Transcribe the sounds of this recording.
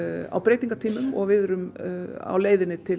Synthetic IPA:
a̰wpɾeːjt̪iŋkat̪ʰiːmʏmɔ̰ɣvɪðʏɾʏma̰wleːjðɪnɪt̪ʰɪl

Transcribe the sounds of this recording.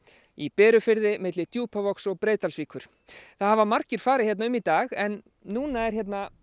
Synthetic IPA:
ipɛːɾʏfɪɾðɪmɪt̪lɪt̪juːpavɔksɔɣpɾeːjt̪alsviːkʰʏɾ̥ | θaðhavamar̥cɪɾ̥faːɾɪhjɛt̪naʏmit̪aːɣɛnː | uːnaɛɾ̥çjɛt̪na

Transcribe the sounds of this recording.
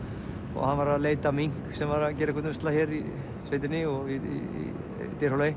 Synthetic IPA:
ɔ̰ɣhanvaɾaðleːjt̪amiŋ̥ksɛmvaɾaðc̬ɛːɾɪkʰɔt̪ɛst̪laçjɛɾi | sveːjt̪ɪnɪɔɣiḭḭ | t̪ɪɾhowlaj

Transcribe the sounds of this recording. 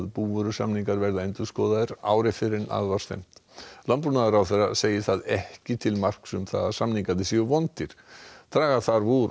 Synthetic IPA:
ðpuːvʏɾʏsamniŋkaɾvɛɾðaejnt̪ʏskɔːðaðɪɾa̰ːwɾɪfɪɾɪna̰ðvaɾ̥t̪ḛjm̥t̪lanpɾunaðʏɾawθɛrːa̰seːjɪθaðɛhcɪt̪ʰɪlmar̥ksʏmθa̰ðḁsamniŋkat̪ɪsiʏvɔnt̪ɪɾ̥t̪ʰɾaːɣaθaɾvuɾ

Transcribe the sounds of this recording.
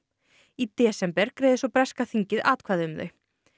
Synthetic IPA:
it̪ɛːsɛmpɛɾkɾeːjðɪsɔwpɾɛskaθiɲcɪðaːt̪kʰvaːðɪʏmðœ̰ɥ

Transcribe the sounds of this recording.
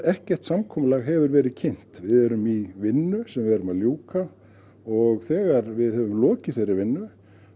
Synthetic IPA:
ɛhcɛr̥t̪samkʰɔːmʏlaɣɦɛvʏɾvɛːɾɪðcʰɪn̥t̪vɪðɛɾʏmivɪnːʏsɛmvɪðɛɾʏmaðljuːwka | ɔɣθɛːɣaɾvɪðhɛvʏmlɔːcɪθejrːɪɾvɪnːʏ

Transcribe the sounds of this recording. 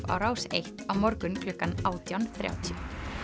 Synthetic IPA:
va̰wɾaːwsḛjht̪awmɔɾkʏnkʰlʏkːanaːwt̪jawnθɾja̰ːwt̪ʰjʏ

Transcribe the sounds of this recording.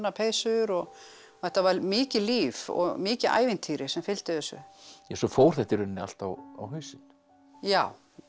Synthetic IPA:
nːapʰeːjsʏɾɔɣ | θɛht̪ːavaɾmɪːcɪliːvɔ̰ɣmɪːcɪðʔa̰ːjvɪnt̪ʰiːɾɪsɛmfɪlt̪ɪðɛsʏ̰jɛsɔfoːwɾ̥θɛht̪ɪɾʏnːɪa̰l̥t̪awa̰wɦʏɥsɪn | jaːw

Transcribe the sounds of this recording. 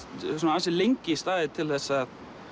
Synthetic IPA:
s̬ɔnaalsɪlejŋcɪst̪aːðɪt̪ʰɪlθɛsːað

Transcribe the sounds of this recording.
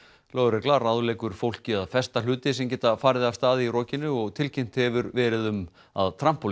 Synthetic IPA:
loːɣʏɾɛklaraðlɛːkʏɾ̥fowl̥cɪaðfɛst̪al̥ʏːt̪ɪsɛmcɛːt̪afaːɾðɪðav̥st̪aːðɪirɔːcɪnːʏɔɣt̪ʰɪlcʰejm̥t̪hɛvʏɾvɛːɾɪðʏm | a̰ðt̪ʰɾampul

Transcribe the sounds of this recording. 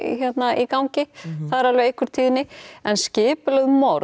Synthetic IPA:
çɛt̪naʔikawɲcɪθaðɪɾalvɪɣejhkʰvʏɾ̥t̪ʰiːðɪnːɪɛnscɪːpɪlœðmowɾ

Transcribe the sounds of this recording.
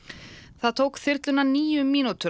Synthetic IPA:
θaðt̪ʰowkθɪɾt̪lʏnaniːjʏmiːnut̪ʏ

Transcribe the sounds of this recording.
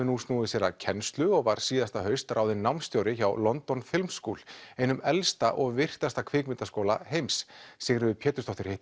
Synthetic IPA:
ʏnust̪uːðɪsjɛɾacʰɛnst̪lʏɔɣvaɾ̥siːðast̪aɦœɥst̪aɾʔaːwðɪnawmnst̪jowɾɪçawlɔnt̪ɔnfɪlmsːkuwlejnʏmɛlst̪aʔɔɣvɪr̥t̪ast̪akʰvɪːkmɪnt̪askoːwla̰ɦejmsːɪɣɾɪʏpʰjɛːt̪ʏ̥st̪ɔht̪ʏɾhɪht̪

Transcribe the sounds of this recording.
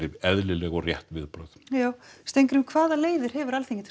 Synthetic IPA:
ɪvɛðlɪlɛɣɔɣrjɛht̪vɪðpɾœðjaːwst̪ejŋkʏɾʏmkʰvaːðaleːjðʏɾ̥ɦɛvʏɾalθʰiɲcːɪt̪ʰ

